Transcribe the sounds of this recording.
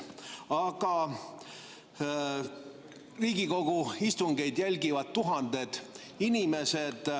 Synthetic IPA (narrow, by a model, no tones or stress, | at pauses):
ɑɡ̥ɑ | riːɡiko̞ɡ̥uist̪uŋɡe̞jd̪jælʲɡivɑdt̪t̪ːuɦɑnd̪e̞d̪̥ | inime̞se̞d̪̥